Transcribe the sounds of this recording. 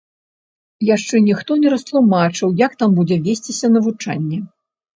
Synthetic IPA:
jaʂt͡ʂɛnʲixt̪ɔnʲɛɾɐst̪lˠumat͡ʂɨwjɐkt̪ambud͡zʲɛvʲesʲt͡sʲisʲɐnɐvut͡ʂa̰nʲːɛ

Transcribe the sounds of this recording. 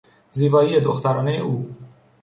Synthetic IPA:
ziːbɒːiːed̪oxt̪ʰæɾɒːnejḛʔuː

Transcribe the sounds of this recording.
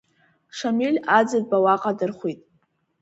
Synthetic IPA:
ʂamilʲad͡zad̚bawaqʼadɨrχʷitʼ

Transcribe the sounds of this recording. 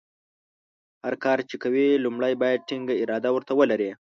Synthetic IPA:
haɾkɑɾt͡ʃekawilumɽajbɑjad̪̚ʈiŋɡaɪɾɑd̪awəɾt̪awəlaɾe

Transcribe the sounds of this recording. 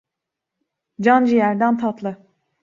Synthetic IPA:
d͡ʒand͡ʒijæɾd̪ænt̪ʰat̪lˠɯ

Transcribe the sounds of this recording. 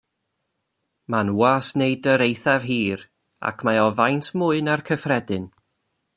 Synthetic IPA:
manwasneɨdəɾejθav̥ɦiːr | a̰kʰmaɔvajntʰmʊːɨnarkʰəfrɛdɨn

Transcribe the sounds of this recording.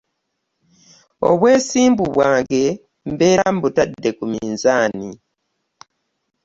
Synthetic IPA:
o̞̰βwe̞ːsiːmbuβwaːŋɡe̞ | mbeːɾambutadːe̞kumiːnzaːni

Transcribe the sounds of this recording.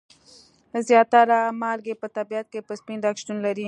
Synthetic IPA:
zjaːt̪aɾamaːlɡepɐt̪abijɐt̪̚kepɐspĩnd̪akʃʈunlɐɾi

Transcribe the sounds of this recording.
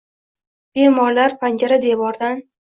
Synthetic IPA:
b̥emɒɾlaɾpʰand͡ʒaɾad̪ebɒɾd̪an

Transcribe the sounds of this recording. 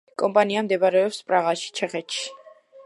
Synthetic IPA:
kʼɔmpʼaniamd̪ɛpaɾɛɔpspʼɾaʁaʃi̥t͡ʃʰɛχɛt̪ʃi̥

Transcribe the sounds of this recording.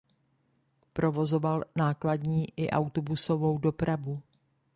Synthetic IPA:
pɾo̞vo̞zovalnaːkladɲiːʔɪʔawt̪obusovo̞wdo̞pɾavu

